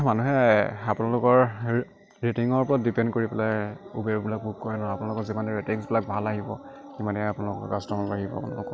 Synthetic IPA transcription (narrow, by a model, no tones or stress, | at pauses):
manuɦɛapunalʊkɔɹ | ɹetiŋɔɹpɔɹat̚dipɛndkoɹipɛlajubeɹbilak̚bukɔjɔnɔɔapunalʊkɔɹzimanɛɹetiŋsbilak̚bʱalaɦibɔ̰ | kimanɛapunalʊkɔ̰kastɔmaaɦibɔ̰a̰puna̰lʊkɔ